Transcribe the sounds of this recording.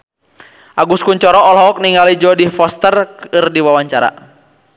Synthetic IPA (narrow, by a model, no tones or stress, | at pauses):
ʔaɡuskuɲt͡ʃɔɾɔɔlɦɔk̚niŋalid͡ʒɔdifɔst̪ərkɨrdiwawaɲt͡ʃaɾa̰